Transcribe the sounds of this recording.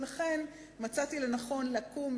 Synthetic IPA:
laχe̞n | mat͡sat̪ilenaχo̞nleakum

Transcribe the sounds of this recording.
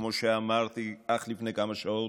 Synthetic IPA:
mɔʃɛːmaɾt̪ʰiaχlipʰnɛɡamɔʃaɛ

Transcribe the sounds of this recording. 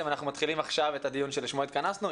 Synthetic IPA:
emanaχnumat̪χilimaχʃavet̪ad̪ijunʃeliʃmoit̪̚kanasnu

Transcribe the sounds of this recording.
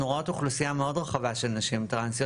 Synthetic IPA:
oʁot̪uχlusijameo̞d̪ʁaχavaʃelanaʃimt̪ʁansi

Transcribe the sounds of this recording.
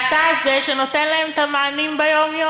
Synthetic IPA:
t̪azeʃeno̞t̪enlaemet̪amaːnimbejo̞mjo

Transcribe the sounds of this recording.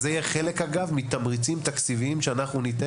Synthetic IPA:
zejɛχele̞kaɡavmit̪amʁit͡simt̪akt͡siviimʃeanaχnunit̪e

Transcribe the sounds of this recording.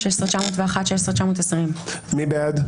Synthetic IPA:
esʁt͡ʃamoːt̪veaχat̪ʃeesʁt͡ʃamot̪esʁimmibead̪

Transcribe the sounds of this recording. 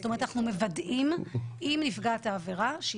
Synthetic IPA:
tomet̪anaχnumevadʔimʔimnifɡat̪aːveʁaʃe

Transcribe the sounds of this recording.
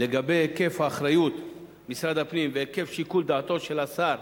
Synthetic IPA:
le̞ɡabe̞jeke̞fhaːχɾajut̪ | misɾad̪apnimveeke̞fʃikuld̪aːt̪o̞ʃe̞lasaɾ

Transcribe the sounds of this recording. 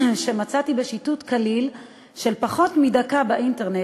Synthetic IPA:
ʃe̞mat͡satibe̞ʃitutkalil | ʃe̞lpaχo̞tmidakabaʔinte̞ʁne

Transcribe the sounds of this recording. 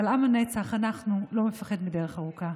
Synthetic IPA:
alamanet͡saχanaχnulo̞mefaχed̪mideʁeχaʁuka

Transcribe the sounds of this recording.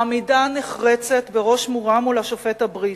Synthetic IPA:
amidaneχʁet͡se̞t̪beʁo̞ʃmuʁamulaʃofethabʁit

